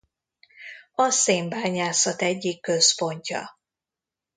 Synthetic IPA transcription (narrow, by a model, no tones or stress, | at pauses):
ɒseːmbaːɲaːsɒt̪ɛɟːikːøspo̞ɲcɒ̰